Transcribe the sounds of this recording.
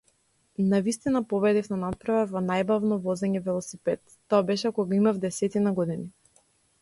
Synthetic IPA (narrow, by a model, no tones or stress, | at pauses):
navist̪inapɔβɛd̪ifnanat̪̚pɾavɛvɔnajbavnɔvɔzɛɲɛvɛlˠɔsipɛt̪ːɔabɛʃɛkɔɡaimavd̪ɛsɛt̪inaɡɔd̪ini